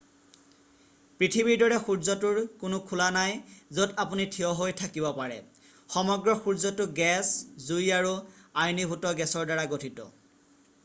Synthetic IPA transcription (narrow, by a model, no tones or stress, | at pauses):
pɹitʰibiɹdɔɹɛxuɹzɔtuɹkʊnʊkʰulanajzodapunitʰiɔɦojtʰakibɔpaɹɛ̰ | xɔmɔɡɹɔxuɹzɔtʊɡɛszujaɹuajnibʱutɔɡɛsɔɹdaɹaɡotʰitɔ̰